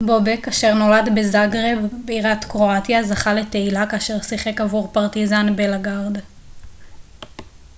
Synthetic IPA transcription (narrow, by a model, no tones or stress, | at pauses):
bo̞bekaʃeʁno̞ladbezaɡʁebbeiʁat̪kʁo̞atjazaχale̞te̞ilakaːʃe̞ʁsiχe̞kavuʁpaʁt̪izanbelaɡaʁd̪